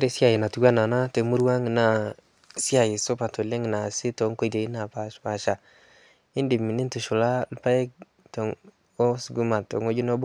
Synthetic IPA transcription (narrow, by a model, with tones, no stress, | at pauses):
a˦ɾe˦sja˦˨je˨na˨tu˨ɡwa˦na˨na˦te˨mu˦ɾwa˦ŋi˨na˨ | sja˨ji˨so˦pa˨to˨le˦ŋi˨na˨sɪ˦to˨˦ŋko˦i˨te˨i˦na˨pa˨ʃpa˨ʃa˨ | ɪ˦ndi˨mi˨ni˦tu˨ʃu˨la˦lpa˦e˦k̚ | to˨ŋ | o˦sɡu˦ma˨to˨ŋo˦d͡ʒu˦no˦bʊ˦